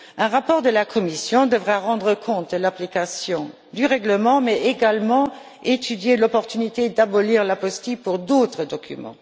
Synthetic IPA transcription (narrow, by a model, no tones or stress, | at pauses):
ɛ̃ʁapɔːʁd̪əlakʰɔmisjɔ̃d̪əvʁaʁɑ̃d̪ʁəkʰɔ̃t̪̚d̪əlaplikasjɔ̃ | d̪yʁɛɡləmɑ̃mɛeɡalmɑ̃ | et̪yd̪jelɔpɔʁt̪ynit̪ed̪abɔliːʁlapɔst̪ipuʁd̪ot̪χəd̪ɔkʰy̰mɑ̰̃